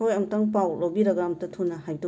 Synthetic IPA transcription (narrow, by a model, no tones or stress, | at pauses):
ojɐŋtɐŋpawlowbiɾaɡɾamtɐtʰunaɦajdu